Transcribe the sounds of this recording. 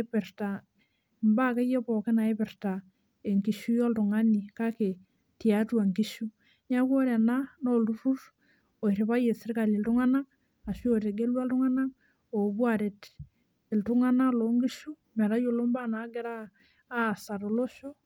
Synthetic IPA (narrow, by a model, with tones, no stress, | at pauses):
epɛ˨rta˨ | mba˦ke˦je˦pɔ˨ke˦na˨e˦pɛrta˨ | e˨ŋki˨ʃu˦jɔ˦ltʊ˨ŋa˦ni˨ka˦ke˨ | tja˨twa˨ŋɡi˦ʃu˦ | ɲa˦kwo˦ɾa˨na˦no˦lu˦ɾu˦r | o˨i˨ɾe˨pa˦je˨sɪ˦rka˨li˨ltʊ˦ŋa˦na˦ | a˨ʃu˦o˨ɾe˨ɡe˦lwa˦ltʊ˦ŋa˦na˦ | o˨bwa˨ɾe˨t | ɪ˨ltʊ˦ŋa˦na˦lo˨ŋɡi˦ʃu˦ | mɛ˨ɾa˦jo˨lo˦mba˦na˨˦ɡɛ˦ɾaː˦˨ | sa˨to˨lo˦ʃo˦